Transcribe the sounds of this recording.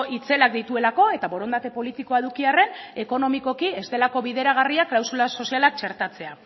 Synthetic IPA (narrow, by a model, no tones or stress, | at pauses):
it͡se̞lak̚d̪it̪ue̞lako̞e̞t̪aβo̞ɾo̞nd̪at̪e̞po̞lit̪iko̞eðukiare̞ne̞ko̞no̞miko̞kie̞st̪e̞lako̞βiðe̞ɾaɣ̞ariaklawsulaso̞sialak̚t͡ʃe̞ɾt̪at͡se̞a